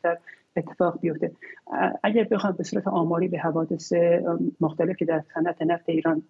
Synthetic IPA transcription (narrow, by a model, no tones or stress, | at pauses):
t̪æɾ | et̪ʰːe̞fɒːɣbijo̞ft̪e | æɟæɾbe̞xɒːjmbe̞suːɾæt̪ʰeʔɒːmɒːɾiːbeɦævɒːd̪e̞semoxt̪ʰæle̞fcʰe̞d̪æɾsænæt̪ʰe̞næft̪e̞iːɾɒːn